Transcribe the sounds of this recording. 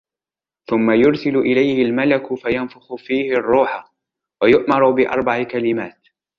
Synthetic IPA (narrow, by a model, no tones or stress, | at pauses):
θʊmːajʊɾsɪlʊʔɪlajhɪlmalakʊfajanfʊxʊfiːhɪrˤːuːħa | wajʊʔmɑɾˤʊbɪʔɑ̰ɾˤbaʕɪkalɪmaːt̪